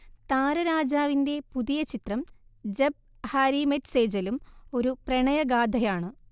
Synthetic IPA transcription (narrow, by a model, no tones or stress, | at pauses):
t̪aːɾɐɾaːd͡ʑaːʋinde̞puðijɐt͡ɕit̪rɐmd͡ʑeb̚ | haɾimetse̞ːd͡ʑɐlumo̞ɾuprɐɳɐjɐɡaːd̪ʱɐjaːɳɨ